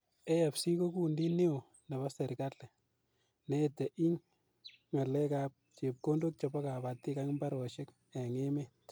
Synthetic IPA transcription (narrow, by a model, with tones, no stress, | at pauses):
e˦ja˨psi˦ko˦ku˦ndi˦ni˦o˨ | nɛ˨ba˦se˨ɾkale˨ | netɛ˨ʔi˦ɲ | ŋa˨lɛ˦ka˦p̚t͡ʃe˨p̚ko˦ndo˦k̚t͡ʃɔ˨bɔ˦ka˨pa˨tːi˦ka˦ŋ˦mba˦ɾo˨ʃe˦k | ɛ˨ŋe˦me˦